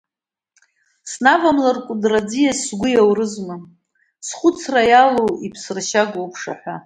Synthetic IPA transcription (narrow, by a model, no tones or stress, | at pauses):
snavamlarkʷʼʊdrad͡zijasːɡʷʊjawrɨzmɨ | sχʷʊt͡sʰrajalowipʰsɨrʃaɡowpʰʂa̰ħʷa